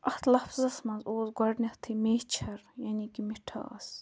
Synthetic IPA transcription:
ɐht̪ʰlɐfzɐsmɐnzoːzɡɐɽnʲɐtt̪ʰimeːht͡ʃʰɐɾjanikimiʈʰa̰ːɐ̰s

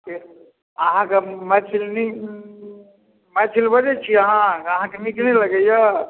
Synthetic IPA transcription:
ke | əɦãkemɛt͡ʃʰilni | mɛt͡ʃʰilbəd͡ʒet͡ʃʰiəɦãəɦãkenikneləɡəja

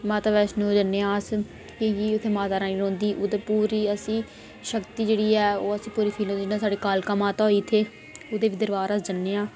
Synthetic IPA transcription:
maːt̪aːʋɛːʃnũːd͡ʒənːeːãːs | kẽkiːʊt̪ʰːeːmãːt̪aːɾaːiːnõːnd̪iːʔʊd̪eːpuːɾiːəsĩː | ʃəkt̪iːd͡ʒeːɽiːɛːoːəsĩːpuːɾiːpʰiːlõinãːsaːɖeːkaːlkaːmãːt̪aːoiːt̪ʰeː | ʊd̪eːʋiːd̪əɾʋaːɾəsd͡ʒənːeːãː

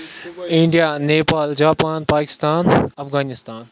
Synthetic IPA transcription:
ɪ̃ɳɖijaneːpaːld͡ʑaːpaːnpaːkɪ̥st̪aːnɐfɣaːnɪst̪aːn

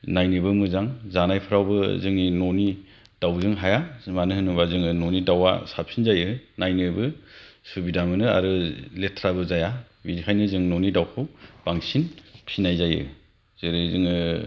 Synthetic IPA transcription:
najnɯbɯmɯzaŋzanajpʰɯɾawbɯzɯŋninoni | d̥awzɯŋɦajamanɯhɯnubazɯŋɯnonidawa̰sapʰinzajɯnajnɯbɯsubidamɯnɯa̰ɾɯletʰɾabɯzaja | biɾihʰajnɯzɯŋnonidawkʰɯwb̥aŋsinpʰinajzajɯ̰ | z̥eɾɯzɯŋɯ

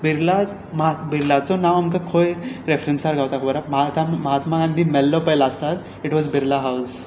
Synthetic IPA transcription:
bʱiɾlad͡z | mabʱiɾlat͡sɔnaʋamkakʰojɾefɾənsaɾɡʱawt̪akʰobəɾamt̪aməɦat̪maɡãnd̪ʱimɛlːɔpəjlast̪at̪ | iʈʋɔzbʱiɾlaɦaws

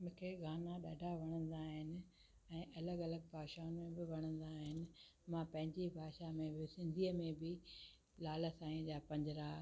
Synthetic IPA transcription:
mʊ̃ːkʰeɡaːnaɗaːɖʱaʋɐɽ̃ə̃nd̪aːɦɪnɪ̆ | ɛ̃ːʔɐləɡɐləɡ̚paːʃaːʊnmẽbɪʋɐɽ̃ə̃n̆d̪aːɦɪnɪ̆mãpɐ̃ɦɪ̃ɲd͡ʑibʱaːʃamẽbɪsɪ̃nd̪ʱiəmẽbɪ | laːləsãːĩd͡ʑaːpɐ̃ɲd͡ʑɪɾa

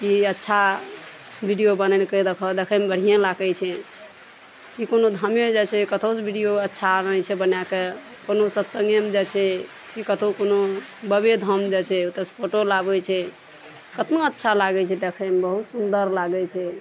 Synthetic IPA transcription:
iətːʃʰa | bʱiɖijobənɛnked̪ekʰɔd̪ekʰəmebəɽ̤ijãlakət͡ʃʰɛ | kikonod̪ʱəmed͡ʒat͡ʃʰɛkət̪ʰosbʱiɖijoətːʃʰaɾnɛt͡ʃʰɛbənjake | konosət̪səŋɡjemed͡ʒat͡ʃʰɛ | kikət̪ʰokonobəbed̪ʱəmd͡ʒɛt͡ʃʰɛut̪əspʰoʈolabɛt͡ʃʰɛ | kət̪naətːʃʰalaɡɛt͡ʃʰɛd̪ekʰəmebəɦut̪sund̪əɾlaɡɛt͡ʃʰɛ

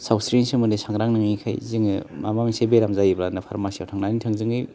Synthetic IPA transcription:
sawsɾinsɯŋmɯndisaŋɾaŋnɯŋikʰa̰jzɯŋɯmamamsebeɾamzajibɾanɯpʰaɾmasijawtʰaŋnanitʰɯŋzɯŋɯj

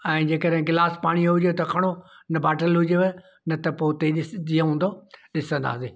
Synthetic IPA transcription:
ɛ̃ːd͡ʑeːkəɗɦɪ̃ɡɪlaːspaːɽ̃iɦʊd͡ʑet̪ɐkʰɐɽ̃o | nɐbaːʈəlɦʊd͡ʑeʋ | nɐt̪ɐpoːt̪eɗɪiəɦũːn̆d̪oɗɪsə̃nd̪a̰ːseː

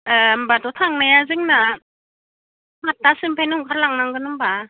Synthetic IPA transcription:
ambatɔtʰaŋnajazɯŋna | mat̚ːasɯmpʰejnɯuŋkʰaɾlaŋnaŋɡɯnɯmba

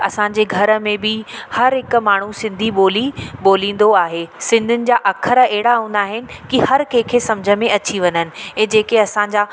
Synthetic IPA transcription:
ɐsãɲ̆d͡ʑeːɡʱɐɾə̆mẽbɪhɐɾɦɪkmaːɳ̤usɪ̃nd̪ʱiɓoːliɓoːlĩːn̆d̪oaːɦeːsɪ̃nd̪ʱʊnɪ̆d͡ʑaːʔɐkʰəɾəɛɦɪɽaɦũːn̆d̪aːɦɪnɪ̆kihɐɾkẽːkʰeːsɐmd͡ʑʱəmẽɐt͡ɕiʋɐɲənɪ̆ɛ̃ːd͡ʑeːkeɐsãɲ̆d͡ʑaː

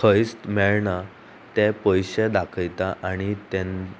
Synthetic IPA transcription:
kʰəjst̪mɛɭɳa | t̪ɛpəjɕẽd̪akʰəjt̪aʔaɽ̃it̪ɛ̃n

